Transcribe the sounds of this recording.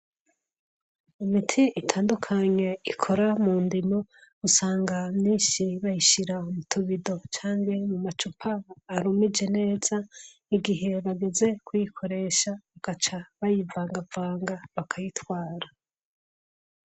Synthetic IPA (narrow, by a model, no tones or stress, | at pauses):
imitʰiitʰaːndukʰaɲe̞ikʰo̞ɾamuːndimousaːŋɡamɲiːnʃiβajiʃiɾaumutʰuβido̞t͡ʃaːŋɡemumat͡ʃupʰaːɾumid͡ʒe̞ne̞ːz̥a | iɡiɦe̞βaɡe̞ze̞kujikʰo̞ɾe̞ʃaβaɡ̥at͡ʃaβajivaːŋɡavaːŋɡaβakʰajitwaːɾa